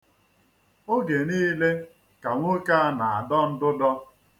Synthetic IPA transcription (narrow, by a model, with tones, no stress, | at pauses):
o˦ɡe˨niː˦le˦ | ka˨ŋʷo˦ka˦a˦na˨a˨dɔ˦n̩˦dʊ˦dɔ˦